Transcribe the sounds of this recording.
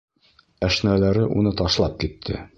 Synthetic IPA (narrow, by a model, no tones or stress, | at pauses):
æʃnælæɾɘʔunɤt̪ɒʃlˠɑp̚kit̪ʰːɘ̰